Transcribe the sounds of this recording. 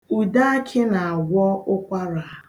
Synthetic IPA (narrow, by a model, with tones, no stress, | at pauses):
u˨da˦a˦kʰɪ˦na˨a˨ɡʷɔ˦ʊ˦kʷa˦ɾa˨